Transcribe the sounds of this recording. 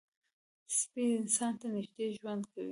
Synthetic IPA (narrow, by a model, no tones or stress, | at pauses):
spiɪnsɑnt̪anɪʒd̪eʒwand̪kawḭ